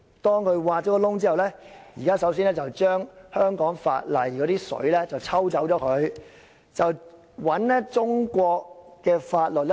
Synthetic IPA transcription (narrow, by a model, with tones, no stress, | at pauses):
t̪ɔː˥ŋkʰɵ˨˧ɥwaː˨˧t̚t͡ʃɔː˨˦˥kɔː˧lʊ˥ŋt͡siː˥hɐ˨˩wlɛː˦˥jiː˨˩kaː˥sɐ˨˥ws̬iː˥nlɛ˥t͡sɐ˨wt͡ʃœː˥ŋhœː˥ŋkɔː˨˥ŋfa̰ː˧t̚lɐ˨jkɔː˨˥t̪iː˥sɵ̰˨˥ɥlɛː˥t͡sɐ˨wt͡sʰɐ˥wt͡sɐ˨˥wt͡ʃɔː˨˥kʰɵ˨˧ɥ | t͡sɐ˨w | wɐ˨˥nɛ˥t͡sʊ˥ŋkʷɔː˧k̚ːɛː˧faː˧t̚lɵ˨t̚lɛ˥